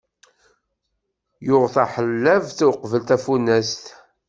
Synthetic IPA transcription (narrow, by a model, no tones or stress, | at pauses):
jʊʁθæħəlːævθuwqvəlt̪æfunæst̪